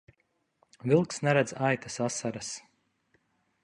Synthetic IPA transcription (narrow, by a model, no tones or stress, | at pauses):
vilˠksnɛɾɛd̪zajt̪ḁsasaɾas